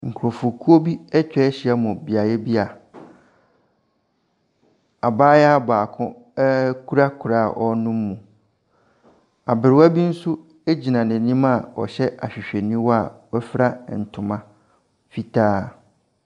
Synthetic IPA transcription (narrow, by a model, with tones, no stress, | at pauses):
ŋ̩˨kʰʊ˨ɾo˨fʊ˨kʰu˦o˦bi˦ɛ˦t͡ɕᶣɛ˦ɛ˦ɕi˨a˦mʊ̃˨bi˨a˨jɛ˦bi˦a˨ | a˨baː˦jɛ˦a˦baː˨kʰʊ̃˦ | kʰu˦ɾa˦kʰu˨ɾa˦˨ʔɔ˦nʊ̃˦mː˦ũ˨ | a˨bɪ˨ɾɪ˨˦wa˦bi˦n̩˦sʊ˦ | e˦d͡ʑi˨nã˨nɛ̃˨nĩ˦ma˦˨ɔ̰˨ɕɛ˦ʔa̰˨ɕᶣɪ˨ɕᶣɛ˨nĩ˦wɔ˦a˨wɔ˦fɪ˦ɾa˦˨n̩˨tʰʊ̃˨mã˦ | fi˨tʰaː˦